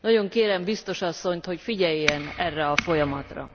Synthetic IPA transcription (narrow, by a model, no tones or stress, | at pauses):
nɒɟo̞ŋkeːɾɛmbist̪o̞ʃɒsːo̞ɲt̪ho̞cfiɟɛjːɛnɛrːɛɒfo̞jɒmɒt̪rɒ̰